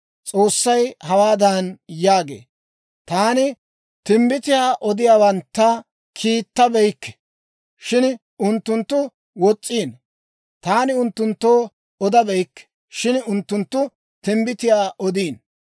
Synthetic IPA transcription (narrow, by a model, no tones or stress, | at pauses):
t͡sʼo̞ːsːɐjhɐwaːd̪ɐnjaːɡḛː | t̪aːnɪ | t̪ɪmbɪt̪ɪjaːʔɔd̪ɪjaːbɐnt̪ːɐ | kʰiːt̪ːɐbɛjkːɛ̥ | ʃɪn | ʊnt̪ːʊnt̪ːʊ | wɔt͡sʼːiːn | t̪aːnɪʊnt̪ːʊnt̪ːoː | ɔd̪ɐbɛjkːɛ̥ | ʃɪnʊnt̪ːʊnt̪ːʊ | t̪ɪmbɪt̪ɪjaːʔɔd̪iːn